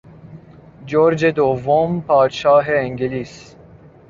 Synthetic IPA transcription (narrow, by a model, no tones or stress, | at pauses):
d͡ʒoːɾd͡ʒed̪ovompɑːd̪ʃɑːɦeiŋɡeliːs